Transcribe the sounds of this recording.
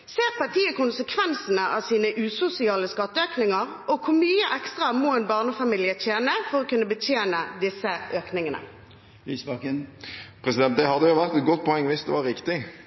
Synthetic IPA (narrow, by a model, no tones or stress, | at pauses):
seːʁpʰɑʁʈ̪iːəkʊnsəkʰʋɛnsənəʔɑʋsiːnəʔʉːsʊsɪɑːləskɑt̪ːəøːknɪŋɑʁ | ɔkʰʊʁmyːəʔɛkst̪ʁɑmɔːɛːnbɑːʁnəfɑmiːlɪət̪ʰjeːnəfɔɾɔkʉnːəbət̪ʰjeːnəd̪ɪsːəʔøːknɪŋənə̰ | lyːsbɑkəpʰɾɛsɪd̪ɛnt̪̚d̪ɛɦɑd̪ːəjʊʋæʁt̪ɛt̪̚ɡɔt̪̚ːpʰɔɛŋːʋɪsd̪ɛʋɑɾɪkt̪ɪ